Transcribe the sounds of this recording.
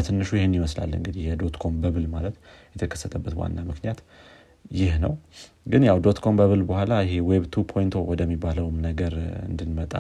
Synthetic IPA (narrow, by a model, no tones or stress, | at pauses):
ət̪ʰɨnːɨʃujɪhɪnːɪməsla̰lːɨ̰ŋɡɨd̪ihjɛd̪o̞t̪kʰo̞mbəβɨlmalət̪ | jɛt̪ʰəkʰə̥sːət̪ʰəbːət̪wa̰nːamɨknijat̪ | jɪhnəw | ɡɨnjawd̪o̞t̪kʰo̞mbəβɨlbəhʷalajɪɦe̞weβt̪ʰupʰo̞jnt̪ʰo̞wɔd̪əmːibːaləwmnəɡəɾɨ̰nd̪ɨnmət̪ʼa̰